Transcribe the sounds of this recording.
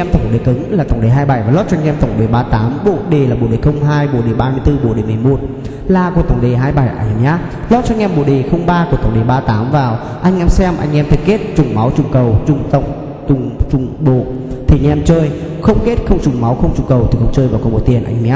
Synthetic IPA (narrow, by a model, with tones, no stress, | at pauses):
ʔɛ˧mt̪ə˧˩wŋ͡mɗe˨˩kɨ˨˦ŋlaː˨˩t̪ə˨˧˩wŋ͡mɗe˨˩ɦaː˧jɓa˧˩jvaː˨˩lɔ˦˥t̚t͡ɕɔ˧ŋʔɛ˧mt̪ə˧˩wŋ͡mɗe˨˩ɓaː˧t̪aː˨˦mɓo̰˧˨ɗe˨˩laː˨˩ɓo̰˧˨ɗe˨˩xə˧wŋ͡mɦaː˧jɓo̰˧˨ɗe˨˩ɓaː˧mɨ˧əjt̪ɨ˧ɓo̰˧˨ɗe˨˩mɨ˨˩mo˨˩t̚ | laː˧˩ku˧˩ət̪ə˨˩wŋ͡mɗe˨˩ɦaː˧jɓa˧˩jʔa̰˧˩jʔaː˦˥ | lɔ˦˥t̚t͡ɕɔ˧ŋʔɛ˧mɓo̰˧˨ɗe˨˩xə˧wŋ͡mɓaː˧ku˧˩ət̪ə˨˩ŋ͡mɗe˨˩ɓaː˧t̪aː˨˦mvaː˨˩w | ʔa˧jŋ̟ʔɛ˧msɛ˧mʔa˧jŋ̟ʔɛ˧mt̪ʰi˨˩ke˦˥t̚t͡ɕʊ˨˩ŋ͡mma˨˦wt͡ɕʊ˨˩ŋ͡mkə˨˩wt͡ɕʊ˨˩ŋ͡mt̪ə˨˧˩wŋ͡m | t̪ʊ˨˩ŋ͡mt͡ɕʊ˨˩ŋ͡mɓo̰˧˨ | t̪ʰi˨˩ɲɛ˧mt͡ɕəː˧j | xə˧wŋ͡mke˦˥t̚xə˧wŋ͡mt͡ɕʊ˨˩ŋ͡mma˨˦wxə˧wŋ͡mt͡ɕʊ˨˩ŋ͡mkə˨˩wt̪i˨˩xə˧wŋ͡mt͡ɕəː˧jvaː˨˩wkɔ˨˧˦mo˨˧˩t̪̚i˨˩ənʔa̰˧jŋ˧ʔa˦